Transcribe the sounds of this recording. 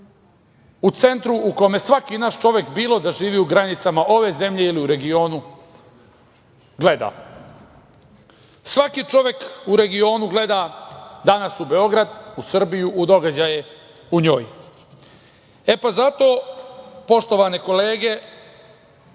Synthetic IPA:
ut̪se̞nt̪ɾuukomjesʋakinaːʃt͡ʃo̞ʋje̞kbiːlˠo̞d̪aʒiːʋiuɡɾanit̪samaʔo̞ʋe̞ze̞mʎe̞iliuɾe̞ɡio̞ːnu | ɡle̞d̪a̰ | sʋakit͡ʃo̞ʋje̞kuɾe̞ɡio̞ːnuɡle̞d̪ad̪anasube̞o̞ɡɾad̪usr̩bijuʔːd̪o̞ɡad͡ʑaje | uɲo̞ːj | epazat̪o̞ː | po̞ʃt̪o̞ʋaneko̞leːɡe̞

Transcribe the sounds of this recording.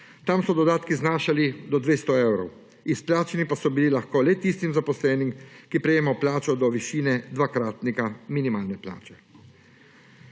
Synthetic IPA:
t̪amsɔd̪ɔd̪aːt̪kiznaːʃalid̪ɔd̪ʋeːst̪ɔɛwɾɔw | isplaːt͡ʃɛnipasɔbililaxkoːlɛt̪ist̪imzapɔslɛːnimkipɾɛjeːmaɔplaːt͡ʃɔd̪ɔʋiʃiːnɛd̪ʋakɾaːt̪nikaminimaːlnɛpla̰ːt͡ʃɛ̥

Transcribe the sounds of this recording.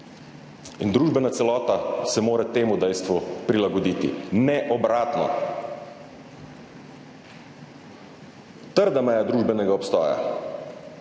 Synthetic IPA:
ind̪ɾuːʒbɛnat̪sɛlɔːt̪asɛmoːɾɛt̪eːmud̪ɛjst̪ʋupɾilaɡɔd̪iːt̪ḭnɛʔɔbɾaːt̪nɔ̰ | t̪əɾd̪amɛjad̪ɾuːʒbɛnɛɡaɔpst̪ɔːja̰

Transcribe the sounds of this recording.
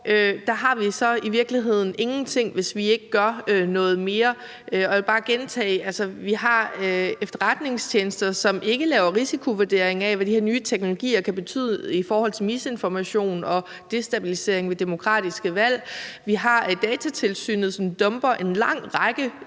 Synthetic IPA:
ød̥ɑ̈ɦɑ̈ʋisɒ̽iʋiɐɡ̥liɦe̝ð̞̰ˠn̩e̝ŋn̩t͡sʰe̝ŋ̰ʋe̝sʋie̝ɡ̥əɡ̥ɶɐønɔ̽ːð̞̩ˠme̝ːɐ | øɒ̽ʋelb̥ɑ̈ːɡ̥ent͡sʰɛ̰ːælsɐʋiɦɑ̈efd̥ɐʁad̥ne̝ŋst͡ɕʰeːnsd̥ɐsɒ̽me̝ɡ̥əlɛːʊɐʁisikʰo̝ʋuɐd̥e̝ɐ̰e̝ŋæʋæd̥ihæɐ̰nyːət͡sʰeɡ̥no̝lo̝ɡ̥ḭːɐkʰæb̥e̝t͡sʰy̰ð̰ˠifɒːhɒ̽l̰t͡sʰe̝mise̝nfɒmæɕo̝̰ːnɒ̽ | d̥e̝sd̥æb̥ilise̝ɐe̝ŋʋe̝d̥e̝mo̝kʰʁɑ̰̈ːd̥isɡ̥əʋæl̰ʋiɦɑ̈d̥ɛːt͡sʰæt͡sʰe̝lsy̰ːnð̩ˠsɒnd̥ɔ̽mb̥ɐʔe̝nlɑ̈ŋ̰ʁɑɡ̥ə

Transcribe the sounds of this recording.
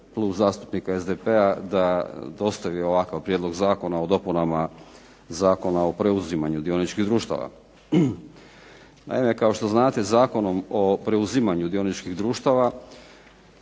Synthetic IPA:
klˠubzaːst̪u̥pnikaezd̪epead̪ad̪o̞st̪aʋio̞ʋakaʋpɾjed̪lo̞ɡzaːko̞nao̞d̪o̞punama | zaːko̞nao̞pɾe̞uzimaɲud̪io̞nit͡ʃkid̪ɾuːʃt̪a̰ʋa̰ | na̰ime̞kao̞ʃt̪o̞znaːt̪e̞zaːko̞no̞mopɾe̞uzimaɲud̪io̞nit͡ʃkiɣd̪ɾuːʃt̪aʋa

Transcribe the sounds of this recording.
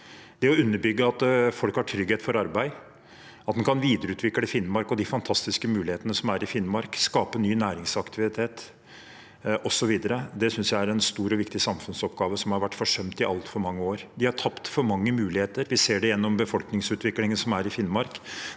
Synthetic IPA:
d̪̥ɛɔʉnːəɾbʏɡːəɑt̪fɔlkhɑʈʰɾʏɡeːt̪fɔɾɑɾbæɪ | ɑt̪mɛnkʰɑnʋiːd̪əɾəʉːt̪ʰʋɪkːləfɪnːmɑɾkɔd̪ɪfɑnt̪ʰɑst̪ɪskəmʉːlɪheːt̪ənəsɔmæɾɪfɪnmɑɾkskɑːpənyːnæːɾɪŋsɑkt̪ʰɪʋɪt̪ʰeːt̪ | ʔɔsɔʋiːd̪əɾəd̪ɛsʏnsjæɪæɾɛnst̪uːɾɔʋɪkt̪ɪsɑmfʉnsɔpɡɑːʋəsɔmhɑɾʋæʈːfɔʂœmt̪ɪʔɑlt̪fɔɾmɑŋːəoːɾd̪ɪhɑʈʰɑpt̪fɔɾmɑŋːəmʉːlɪheːt̪əɾʋɪseːɖɛjɛnːɔmbəfɔlknɪŋsʉːt̪ʋɪklɪŋənəsɔmæɾɪfɪnmɑɾk

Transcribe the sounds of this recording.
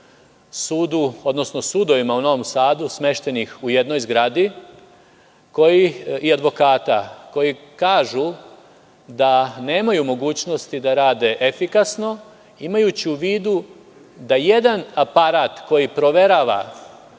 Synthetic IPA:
suːd̪uo̞d̪no̞sno̞sud̪o̞ʋimauno̞ʋo̞msaːd̪usme̞ʃt̪e̞nixuje̞d̪no̞jzɡɾad̪i | ko̞jiiad̪ʋo̞kaːt̪a̰ko̞jikaːʒu | d̪ane̞ːmajumo̞ɡuːt͡ɕno̞st̪id̪aɾaːd̪e̞ʔefikasno̞ | imajut͡ɕiuʋiːd̪u | d̪aje̞d̪anapaɾaːt̪ko̞jipɾo̞ʋe̞ɾaʋa̰

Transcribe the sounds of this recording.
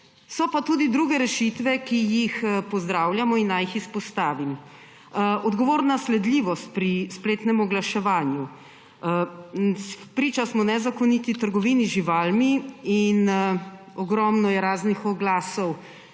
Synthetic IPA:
sɔpat̪uːd̪id̪ɾuɡɛɾɛʃit̪ʋɛkijixpɔzd̪ɾaːwljamɔinːajixispɔst̪aːʋim | ɔd̪ɡɔʋoːɾnaslɛd̪liʋɔst̪̚pɾispleːt̪nɛmɔɡlaʃɛʋaːnju | pɾiːt͡ʃasmɔnɛzakɔnit̪it̪əɾɡɔʋiːniʒiʋalmiin | ɔɡɾɔmnɔjɛɾaːznixɔɡlaːsɔw

